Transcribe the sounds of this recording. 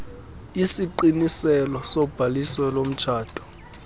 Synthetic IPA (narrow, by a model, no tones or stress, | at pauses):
isiǃinisɛlɔsɔb̥ʱalisɔlom̩t͡ʃʰaːd̥ʰʱʼɔ̥